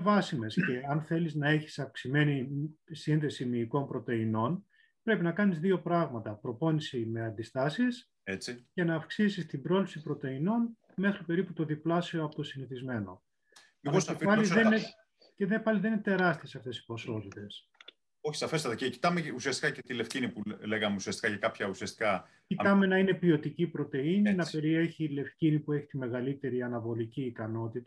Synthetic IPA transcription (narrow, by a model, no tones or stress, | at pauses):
vɐsime̞sce̞ɐnθe̞liznɐe̞çi̥sɐfksime̞nisinθe̞simiːko̞mpɾo̞t̪e̞ino̞n | pɾe̞pinɐkɐnizðio̞pɾɐɣmɐt̪ɐpɾo̞po̞nisime̞ɐnd̪ist̪ɐsis | et͡sice̞nɐːfksisist̪ibɾo̞lipsipɾo̞t̪e̞ino̞n | me̞xɾipe̞ɾiput̪o̞ðiplɐsio̞ɐpot̪o̞siniθizme̞no̞̰ | ɐosefpɐliðee | ceðepɐliðeninet̪e̞ɾɐst̪iesɐft̪e̞si̥po̞so̞t̪it̪e̞s | oçi̥sɐfest̪ɐt̪ɐceci̥t̪ɐmeusiɐst̪i̥kɐcet̪ile̞fcinipuleɣɐmeusiɐst̪i̥kɐcɐkɐpçɐusiɐst̪i̥kɐ | cit̪ɐme̞nɐine̞pio̞t̪icipɾo̞t̪e̞ininɐpe̞ɾie̞çile̞fcinipue̞çi̥t̪ime̞ɣɐlit̪e̞ɾiɐnɐvo̞liciːkɐno̞t̪it̪ɐ̥